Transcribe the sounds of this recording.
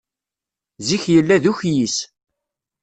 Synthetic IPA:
ziçjəlːæðuçjis

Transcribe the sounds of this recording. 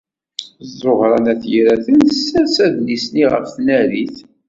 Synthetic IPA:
zˤoʁɾˤɑnæθjɾæθənθsæsæðnisniʁə̰fθnæɾiθ

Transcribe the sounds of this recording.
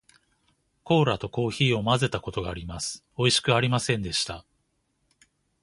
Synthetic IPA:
ko̞ːɾat̪o̞ko̞ːçiːo̞maze̞t̪ako̞t̪o̞ɡaːɾʲimasɨ̥ | o̞iɕi̥kɯ̟aɾʲimasẽ̞nd̪e̞ɕi̥t̪a

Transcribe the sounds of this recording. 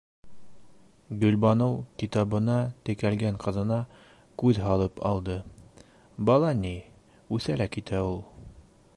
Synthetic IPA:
ɡɵ̆lbɑnowkit̪ɑβɤ̆nɑt̪ɘ̆kælɡæŋqʰɤ̆ðɤ̆nɑ | kʉðɦɑlˠɤpɑ̰lˠd̪ɤ | bɑlˠɑni | ʉθælækit̪æulˠ

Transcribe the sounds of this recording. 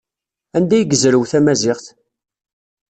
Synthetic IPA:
ænd̪æjəɡəzɾəwθæmæzɪχθ

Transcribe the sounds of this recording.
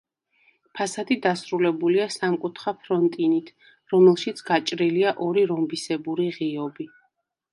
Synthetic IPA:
pʰasad̪id̪asɾulɛbuliasamkʼut̪ʰχapʰɾɔnt̪ʼinit̪ʰ | ɾɔmɛlˠʃit̪sʰɡat͡ʃʼɾiliaʔɔɾiɾɔmbisɛbuɾiʁiɔbi

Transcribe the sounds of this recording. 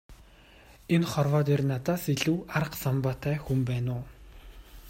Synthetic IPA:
enχɔrwɔːt̪ernat̪aːsiɮuːaɾə̆qsɔmpaːt̪ʰæːxumpæːnʊː

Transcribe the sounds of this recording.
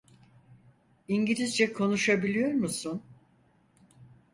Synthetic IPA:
iɲɟilʲizd͡ʒɛkʰo̞nuʃabilʲijo̞ɾmusʊn

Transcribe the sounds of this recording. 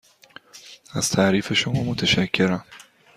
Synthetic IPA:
æz̥t̪ʰæʔɾiːfe̞ʃomɒːmot̪ʰæʃækʰːe̞ɾæm

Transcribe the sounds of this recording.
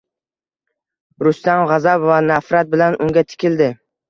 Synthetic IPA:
ɾʊst̪amʁɑzabvanafɾat̪̚bɪlanʊŋɡʲat̪ʰɪ̥kʲɪld̪ɪ

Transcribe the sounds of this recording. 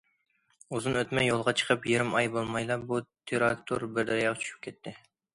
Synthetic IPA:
uzɨnøt̪mɛjːolˠʁɑt͡ʃʰə̥qʰəpjeɾɪmɑjbolˠmɑjlˠɑbut̪ʰeɾɑkt̪ʰoɾbɪɾd̪ɛɾjɑʁt͡ʃʰy̥ʃy̥p̚kʲʰɛt̪ʰːɪ

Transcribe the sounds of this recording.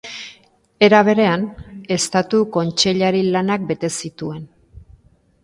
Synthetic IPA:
e̞ɾaβ̞e̞ɾe̞ane̞st̪at̪uko̞nt͡ʃe̞ʎaɾilanak̚be̞t̪e̞sit̪ue̞n

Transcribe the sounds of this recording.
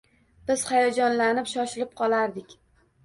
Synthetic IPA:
b̥ɪz̥χajɒd͡ʒɒnlanɪpʃɒʃɪlɪp̚qʰɒlˠaɾd̪ɪkʲ

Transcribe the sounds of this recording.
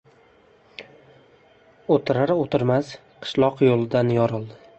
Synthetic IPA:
ot̪ʰɪɾaɾot̪ʰɪɾmas | qʰɨ̥ʃlˠɒqjolˠɪd̪anjɒɾɨlˠd̪ɪ

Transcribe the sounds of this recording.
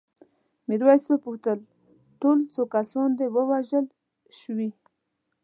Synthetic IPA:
miɾwɑjswəpuxt̪əl | ʈolt͡sokasɑnd̪ewəwaʒəl | ʃwi

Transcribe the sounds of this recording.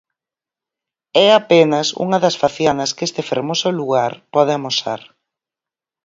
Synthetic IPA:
ɛapenɐsṵŋɐðɐsfaθjanɐskest̪ɪfeɾmosʊluɣaɾpɔð̞ɪamosa̰ɾ

